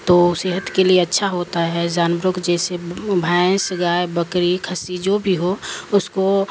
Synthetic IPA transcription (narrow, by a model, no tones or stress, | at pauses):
t̪oːseːɦət̪kelieɐtːʃʰaɦoːt̪aɦɛd͡ʒaːnbɾʊkd͡ʒɛːsebʱãːsɡaːebəkɾikʰəsid͡ʒoːbʱiɦoʊsko